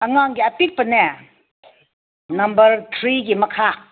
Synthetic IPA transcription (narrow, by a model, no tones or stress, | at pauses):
ʔɐŋaŋɡiɐpik̚pɐnɛ | nɐmbɐɾt̪ʰɾiɡimɐkʰa